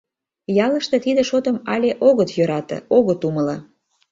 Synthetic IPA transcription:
jɑlə̆ʃt̪ĕt̪id̪ĕʃot̪əmɑlʲeʔoɣət̪jøɾɑt̪ə̰̆oɣət̪uməlɑ

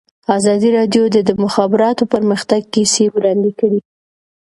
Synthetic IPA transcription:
ɑzɑd̪iɾɑɖjod̪əd̪əmʊxɑbɪɾɑt̪opəɾməxt̪aɡ̚kisewɾɑnd̪ikəɽi

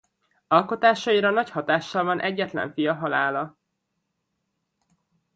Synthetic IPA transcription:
ɒlko̞t̪aːʃɒiɾɒnɒchɒt̪aːʃːɒlvɒnʔɛɟːɛt̪lɛ̰ɱfijɒɦɒlaːlɒ

